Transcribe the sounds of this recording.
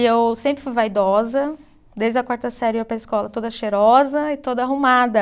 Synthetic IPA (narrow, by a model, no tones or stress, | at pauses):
ewsẽpɾɪfujvajd̪ɔzɐ | d̪ejzd͡ʒɐkwaɾt̪ɐsɛɾɪewpɾɐiskɔlɐt̪od̪ɐʃeɾɔzɐɪt̪od̪ɐaɦumad̪ɐ